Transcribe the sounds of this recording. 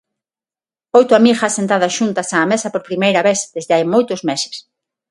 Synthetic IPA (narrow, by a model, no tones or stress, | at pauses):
ojt̪ʊamixasent̪aðɐsʃunt̪ɐsaːmesɐpoɾpɾimejɾɐβeθd̪ezðeajmojt̪ʊzmese̥s